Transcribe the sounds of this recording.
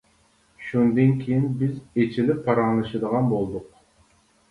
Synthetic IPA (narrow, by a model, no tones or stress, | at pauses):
ʃund̪ɨnkʲʰijinbɪzet͡ʃʰilɪpʰːɑɾɑŋlˠɨʃɨd̪əʁɑnbolˠd̪ʊq̚